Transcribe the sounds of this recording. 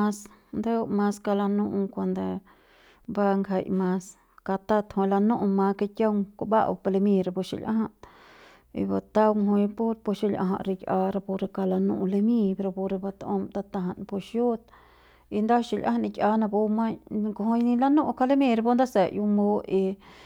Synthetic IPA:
a˧s | nd̪a˦˧ma˧ska˧la˧nu˧ʔkʷa˧nd̪a˧ | ba˦ŋɡʰa˧˨jmã˧s | ka˧t̪a˦t̪hõ˧la˧nu˦ʔma˧ke˧kʲa˦wka˧ba̰˦ʔwpa˧le˧mĩ˧ɾa˧po˧ʃḭ˨lʲʔa̰˦ɦa˧ʔ | ḭ˧ba˧t̪a˦wmɦo˧jpo˦ɾpo˧ʃi˧lʲʔa̰˧ɦa̰˧ʔɾi˧kʲʔa˧ɾa˧po˧ɾe˧ka˧la˧nṵ̃˧ʔle˧mĩ˧pe˧ɾo˧po˧ɾe˧ba˧t̪o˧mt̪a˧t̪a˧ɦa˧˨npo˧ʃju˦t̪ | i˧nd̪a˦ʃi˧˨lʲʔã̰˦a˧ni˧kʲa˧na˧bo˧ma˦˧ko˧ɦo˧jnĩ˧la˧nũ˦ʔka˧le˦mi˧ɾa˧bo˦nd̪a˦se˨ju˧mbo˦i˧

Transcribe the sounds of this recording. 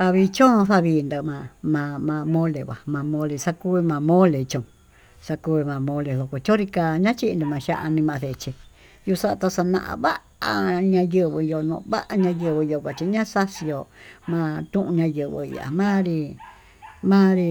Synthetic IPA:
a˧βi˧t͡ʃõ˦˧θa˦˧βiː˧nd̪ɨ˧mã˧mã˧mã˧mõ˦le˨βʷa̰˨mã˧mõ˧˦le˧sa˧ku˦βi˧mã˧mõ˦le˨˧t͡ʃõ˨ | sa˧ku˧i˧mã˨˧mõ˧le˨ðo˨˧ko˧t͡ʃõ˦ɾi˧ka˧ɲã˦t͡ʃi˦ʔnd̪u˧mã˧ʃa̰˦˧ʔa˧nĩ˧mã˧θe˨˧t͡ʃe˧ | ju˧sa˦˧t̪a˧sa˧nã̰˧ʔã̰˧βa˦ | a̰˧ɲã˧jɨ˧βɨ˧jo˧nõ̰˧˨˧βa˦ʔa˧ɲã˧jɨ˧βɨ˧jo˧kʷã˧t͡ʃi˧ɲã˦sa˦si˧jo˧mã˧t̪ũ˦ʔũ˧ɲã˧jɨ˧βɨ̰˧ḭ˧a̰˨mãː˦ɾi˧ | mãː˦ɾi˧

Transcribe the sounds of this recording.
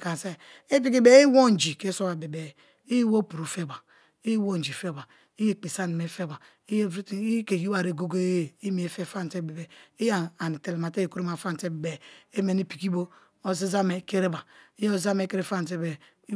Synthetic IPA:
ka˨se˦ | e˦p̬i˦ki˦be˦i˦wo˦˨n˨d͡ʒi˨ke˨˦so˦wa˨be˨be˨ | i˦jwo˦pu˨ɾu˨fe˦˨ba˨ | i˦wo˦n˨d͡ʒi˨fe˦ba˨ | i˦je˦˨k͡pe˨sa˦ni˨me˨˦fe˦ba˨ | i˦jke˨ji˦wa˨ɾe˨ɡo˦ɡo˦i˦mi˨e˨fe˦fa˦n˨te˦be˨be˨i˦ja˨ni˨te˨le˨ma˨te˦je˨ku˦ɾma˨fa˦n˨te˦be˨be˨e˦me˨ni˦pi˨ki˦bo˦ | o˦si˦za˦me˨˦ke˦ɾe˦ba˨i˦jo˦˨za˦me˨˦ke˦ɾe˦fa˦n˨t̬e˦be˨˦

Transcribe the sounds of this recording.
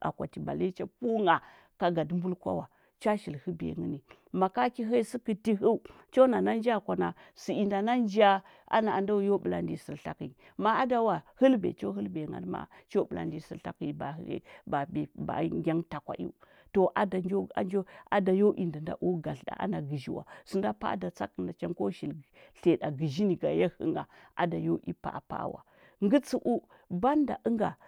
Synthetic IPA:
a̰˨kʷa˨ti˨ba̰˨le˦t͡ʃa˦pu˦ŋa˨ | ka˨ɡa˨dmbu˦lkʷa̰˦wa˨ | t͡ʃa˦ʃi˨lhə˦bḛ˨ŋə˦ni˨ | ma˨ka˦ki˦ɦa˦i˦si˦ki˨ti˦ɦu˦u˦ | t͡ʃo˦na˨na˦n˦d͡ʒa˦˨kʷa˨na˨si˨i˨nda˨na˦nd͡ʒa˦ | a̰˦na˨a˨nda˦jo˦bə˨la̰˦ndi˨sə˨ɾɬa˦ki˨ | ma˦a˦da˨wa˨hə˦lbḛ˨t͡ʃo˦ɦə˦lbe˨ŋa̰˦dma̰˨t͡ʃo˦bə˨la̰˨ndi˨sə˨ɬa˦ki˦˨ba̰˨˦ba˨be˨ba̰˨ŋɡʲa˦ŋta˨kʷa̰˨ʔḭ˦ | to˨ʔa˨da˨o˦a̰˦nd͡ʒo˦a˨da˨jo˦ʔi˨nda˨nda̰˦ʔu˦ɡa˨ɬda̰˨ʔa̰˦na˨ɡi˨ʒi˦wa̰˨su˨nda˦pa̰˦da˨t͡sa̰˦kə˨nda˨t͡ʃa˦ŋko˦ʃi˨l | ɬe˨da˨ɡi˨ʒi˦ni˨ɡa˨ja˦hɨ̰˦ŋɡa˨ʔa̰˨da˨jo˦ʔḭ˦pa̰˨pa̰˦˨wa̰˨ | ŋɡə˦t͡su˦ʔu˦ | ba˦nda˨ʔə˦ŋɡa̰˨

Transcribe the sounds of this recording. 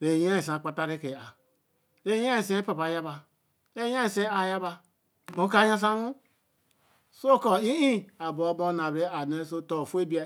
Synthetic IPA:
ɾe˨ja˦i˨sã˨k͡pa˨ta˦ɾe˦ke˨a˨ | ɾe˦ja˦ĩ˨se˦pa˨pa˨ja˦ba˨ | ɾe˦jã˦i˨se˦a˨ja˦ba˧ | o˨˦ka˦jã˦s̬ã˦nu˦ | so˦kɔ˨i˦ĩ˦a˨bo˨˦bo˦na˨bɾe˦a˨ne˦so˦to˨fe˦bi˦a˨

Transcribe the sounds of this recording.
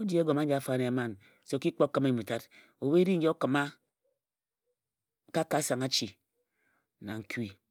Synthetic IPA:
o˦di˦e˦ɡo˨ma˦d͡ʒa˨a˨fa˦ne˨ma˦˨n | se˨o˨ki˦k͡po˦kɨ˦me˦˨mu˨ta˦t | o˨we˦ɾi˦ŋ̩˦je˦o˦kɨ˨ma˦ | ka˦ka˦sa˨ŋa˦t͡ʃi˨ | na̰˨ŋ̩˨ki˦

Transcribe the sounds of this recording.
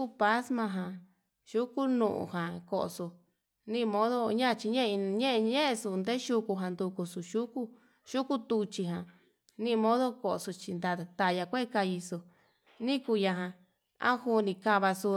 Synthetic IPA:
ku˦pa˦smã˧ɦã˨ | ʃu˦ku˦nṵ̃˧ʔṵ̃˧hã˨ko˧˨ʔo̰˧su˧ | nĩ˦˧mõ˦ðo˦ɲã˦˧t͡ʃi˧ɲẽ˦˧ɲẽ˦ʔe˧ɲẽ˦ʔe˧su˧˨nd̪e˦ʃu˧ku˧ɦã˧nd̪u˧ku˧su˧˨ʃu˦ku˦ | ʃu˦ku˦t̪u˧t͡ʃi˧ɦã˨ | nĩ˦˧mõ˦ðo˦ko˧˨ʔsu˧t͡ʃi˧nd̪a˧t̪a˧˨ja˧kʷe˦˧ka˧ji˧su˧ | nĩ˦ku˧ja˧ɦã˧ | ã̰˦hu˧nĩ˧ka˧βa˧su˧

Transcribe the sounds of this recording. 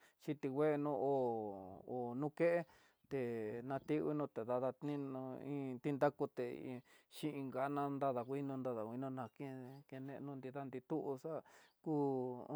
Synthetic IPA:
t͡ʃi˧t̪i˧ɡwʷe˦˧nũ˦˧o˨ | o˨nũ˦ke˦ʔe˦ | t̪e˨nã˧t̪i˦˧wḭ˦˧nũ˧t̪e˨ða˧ða˧t̪nĩ˦nũ˧ĩ˦t̪i˦nd̪a˦ku˧t̪ḛ˨˧ʃĩ˦ʔĩ˧ŋɡa˨˦nã˧nd̪a˦˧ða˨kʷi˦nũ˧nd̪a˧ða˨kʷi˧nũ˧nã˧kĩ˦˧ke˧nẽ˧nũ˧nd̪i˧ða˦nd̪i˧t̪u˦ʔu˧sa˦kuː˦

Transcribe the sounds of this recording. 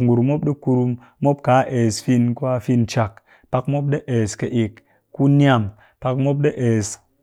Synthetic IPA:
ŋ˨ɡu˨ɾu˨mo˦p̚ɗe˦ku˧ɾu˧mː | o˦p̚ka˨˦ʔe˨sfi˧nku˦a˧fi˧nt͡ʃa˨k | pa˧kmo˦p̬̚ɗe˦ʔeː˨ske˨ʔi˨k | ku˦ni˦a˦˨m | pa˧kmo˦p̬̚ɗe˦ʔe˨s

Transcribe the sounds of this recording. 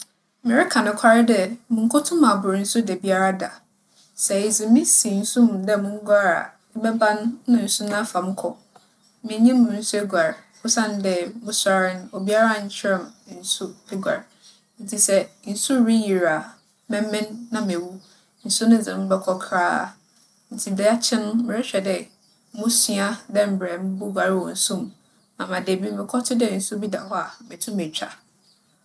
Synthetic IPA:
mɪ̃˨ɾɪ˦kʰã˨nʊ̃˦kʷʰa˦ɾɪ˦dɛ˦mʊ̃˨ŋ̩˦kʰʊ˦tʰʊ̃˦ma˨bʊ˨ɾn̩˦sʊ˦dɛ˨bi˦a˦ɾa˦da˨ | sɛ˨e˨zɪ˨mɪ̃˦si˨n̩˦sũ˦m˨dɛ˦˨mʊ̃˦ɡʷa˦ɾa̰˨ | ɪ˦bɛ˦bã˦nːʊ̃˦˨n̩˨sʊ˦nã˦fa˨m̩˦kʰɔ˨ | mɪ̃˨˦ɲĩ˦mʊ̃˨n̩˦su˦ɛ˦ɡʷa˨ɾ | ʊ˦sã˦n˦dɛ˨mʊ̃˦sa˦ɾɪ˦ñ˦o˨bi˦a˦ɾa˦˨ɲ̩˦t͡ɕʰɪ˦ɾɛ̃˨m˨n̩˨su˦ɛ˦ɡʷa̰˨ɾ | n̩˦tʰi˨sɛ˦n̩˨su˦ɾi˦ji˨ɾa˨ | mɛ̃˦mɪ̃˦nːã˦me˨wu˦ | n̩˨su˦nʊ̃˦˨d͡zɪ̃˨m̩˦bɛ˨˦kʰɔ˦kʰɾaː˦˨ | n̩˨tʰi˨dɛ˦a˦t͡ɕʰɪ̃˦nʊ̃˦mɪ̃˨ɾɪ˦ɕᶣɛ˨dɛ˨˦ | mũ˦si˦a˦dɛ˦m̩˨bɾɛ˨m˦bʊ˦ɡʷa˨ɾɪ˦wɔ˨n̩˦sũ˦m | nã˨mã˨de˨bi˦mɪ̃˨kʰɔ˦tʰɪ˦dɛ˨n̩˨su˦bi˦da̰˨hɔ˦a˨mɛ̃˨tʰũ˦mɛ˨t͡ɕᶣa˨

